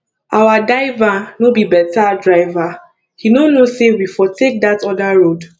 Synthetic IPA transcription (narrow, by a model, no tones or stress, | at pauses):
awadaɪvanobibɛtadɹaɪva | hinonosewifɔtek̚datɔdaɹod